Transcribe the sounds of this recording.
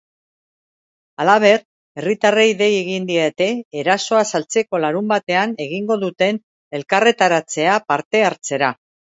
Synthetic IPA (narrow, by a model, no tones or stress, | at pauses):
alaβ̞e̞r | e̞rit̪areiðe̞jeɣind̪ie̞t̪e̞ːɾaso̞asalt͡se̞ko̞laɾumbat̪e̞ane̞ɣ̞iŋɡo̞ðut̪e̞n | e̞lkare̞t̪aɾat͡se̞apaɾt̪e̞aɾt͡se̞ɾa